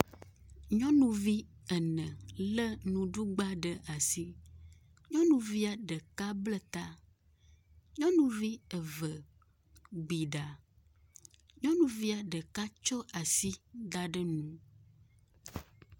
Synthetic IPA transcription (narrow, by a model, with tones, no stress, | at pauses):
ɲɔ̃˦nũ˨vi˦ə˨nɛ̃˨lə˦nũ˨ɖu˦ɡ͡ba˦ɖə˨ʔa˨si˦ | ɲɔ̃˦nũ˨vi˦a˨ɖə˨ka˦blə˦t̪a˦ | ɲɔ̃˦nũ˨vi˦ə˨və˨ | ɡ͡bi˨ɖa˨ | ɲɔ̃˦nũ˨vi˦a˨ɖə˨ka˦t͡ʃɔ˦ʔa˨si˦d̪a˨ɖə˦nũ˦